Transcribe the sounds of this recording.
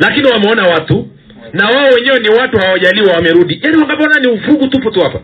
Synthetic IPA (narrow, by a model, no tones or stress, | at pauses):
lakiniwamɛɔnawatu | nawaɔwɛɲɛwɛniwatuhawaʄaliwawamɛɾuɗijaniwaŋɡapɔɔnaniufɾuɡutupɔtuhapa̰